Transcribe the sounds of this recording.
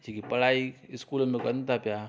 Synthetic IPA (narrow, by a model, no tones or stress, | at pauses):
t͡ʃʰikipɐɽaːiɪskuːlmẽkɐnt̪apja